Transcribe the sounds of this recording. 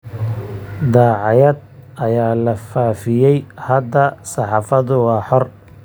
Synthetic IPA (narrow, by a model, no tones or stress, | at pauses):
d̪ɑːʕɑjɐd̪̚ʔɐjaːlɐfaːfɪjɛjhɐd̪ɐsɑħɑːfɐðʊwɑːħɔr